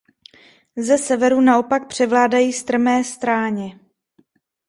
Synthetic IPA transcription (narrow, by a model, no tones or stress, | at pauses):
zɛsɛvɛɾunao̞pak̚pr̝̥ɛvlaːdajiːst̪r̩mɛːst̪ɾaːɲɛ